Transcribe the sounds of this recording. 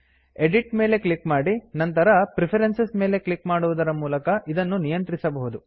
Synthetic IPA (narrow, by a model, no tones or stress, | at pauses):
eɖiʈme̞ːle̞kɭikmaːɽinɐnt̪ɐɾɐpɾipʰɐɾensɐsme̞ːle̞kɭikmaːɽuʋud̪ɐɾɐmuːlɐkɐʔid̪ɐnːunijɐnt̪ɾisɐbɐɦud̪u